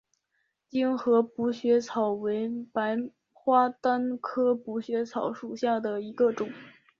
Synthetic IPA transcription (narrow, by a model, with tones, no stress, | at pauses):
t͡ɕi˥ŋxɤ˧˥pu˧˥ɕɥɛ˧˥t͡sʰɑ˨˩ʊwe˧˥ɪpa˧˥ɪ | xwa˥t̪a˥nkʰɤ˥pu˧˥ɕɥɛ˧˥t͡sʰɑ˨˩˥ʊʂu˨˩ɕja˥˩d̪ə˩i˧˥ɡə˧ʈ͡ʂʊ˨˩˦ŋ